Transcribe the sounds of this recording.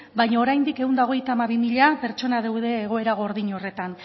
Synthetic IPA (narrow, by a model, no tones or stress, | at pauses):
bajɲaoɾajnd̪ike̞ɣund̪aoɣ̞e̞jt̪aːmaβ̞imiʎape̞ɾt͡ʃo̞nað̞ewðe̞ːɣ̞o̞e̞ɾaɣ̞o̞ɾðiɲo̞re̞t̪an